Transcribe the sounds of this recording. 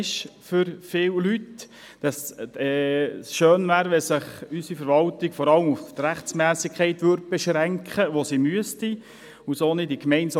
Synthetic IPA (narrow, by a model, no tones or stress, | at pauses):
ʃfʏɾfɪːwlyt | d̥ɑsɛːʃøːnvæːɾʋɛlsɪχysifəɾʋɑltɪɡfɔɾɑləmuft̪ɾæχt͡smæːsɪkʰɛɪt̪ʋøɾd̚b̥ɛʃɾæŋkχəʋosimyəsti | usoːnidikmɛɪnsɑ